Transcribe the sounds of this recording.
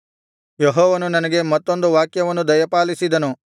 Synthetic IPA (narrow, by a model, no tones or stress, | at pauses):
jeɦɔːʋɐnunɐnɐɡe̞mɐt̪ːo̞nd̪uʋaːkjɐʋɐnːud̪ɐjɐpaːlisid̪ɐnu